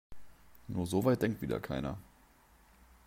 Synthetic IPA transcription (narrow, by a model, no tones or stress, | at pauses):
nuːɐzovaɪt̚d̥ɛŋktv̥iːdɐ̰kʰaɪnɐ̰